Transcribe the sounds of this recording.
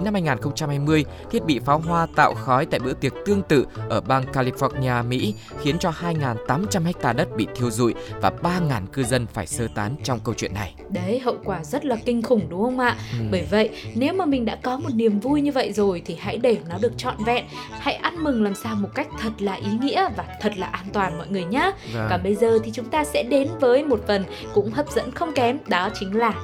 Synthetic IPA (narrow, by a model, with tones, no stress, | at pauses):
na˧mhaː˧jŋaː˨˩nxə˧wŋ͡mt͡ɕa˧mhaː˧jmɨ˧əjt̪ʰi˦˥ət̚ɓḭ˧˨faː˨˦wɦwaː˧t̪a̰ː˧˨wxɔ˨˦jt̪a̰ː˧˨jɓɨ̰˧˥ət̪i˨˩ək̚t̪ɨ˧əŋt̪ɨ̰˧˨ʔəː˧˩ɓaː˧ŋkaː˧li˧fɔ˦˥t̚ni˧aː˧mḭ˧˥ | xi˨˦ənt͡ɕɔ˧haː˧jŋaː˨˩nt̪aː˨˦mt͡ɕa˧mha˦˥jk̚t̪aː˧˩ɗə˦˥t̚ɓḭ˧˨t̪ʰi˧əwzṵ˧˨jvaː˨˩ɓaː˧ŋaː˨˩nkɨ˧zə˧nfaː˧˩jsəː˧t̪aː˨˦nt͡ɕɔ˧wŋ͡mkə˧wt͡ɕwḭ˧˨ənːa˨˩j | ɗə˨˦jɦə̰˧˨wkwaː˧˩zə˦˥t̚laː˨˩kï˧ŋ̟xʊ˧˩ŋ͡mɗʊ˨˦ŋ͡mhə˧wŋ͡mʔa̰ː˧˨ɓəː˧˩jvə̰˧˨jne˨˦wmaː˨˩mï˨˩ŋ̟ɗa̰ː˧˥kɔ˨˦mo˨˩t̚ni˨˩əmvu˧jɲɨ˧və̰˧˨jzo˨˩jt̪ʰi˨˩ha̰˧˥jɗe˧˩nɔ˨˦ɗɨ˨˩ək̚t͡ɕɔ̰˧˨nvɛ̰˧˨n | ha̰˧˥jʔa˧nmɨ˨˩ŋlaː˨˩msaː˧wmo˨˩t̚ka˦˥jk̟̚t̪ʰə˨˩t̚laː˨˩ʔi˨˦ŋḭ˧˥əvaː˨˩t̪ʰə˨˩t̚laː˨˩ʔaː˧nt̪waː˨˩nmɔ̰˧˨jŋɨ˨˩əjɲaː˨˦kaː˧˩ɓə˧jzəː˨˩t̪ʰi˨˩t͡ɕʊ˨˦ŋ͡mt̪aː˧sɛ̰˧˥ɗe˨˦nvəː˨˦jmo˨˩t̚fə˨˩n | kʊ̰˧˥ŋ͡mhəː˨˩p̚zə̰˧˥nxə˧wŋ͡mkɛ˨˦mɗɔ˨˦t͡ɕï˨˦ŋ̟laː˨˩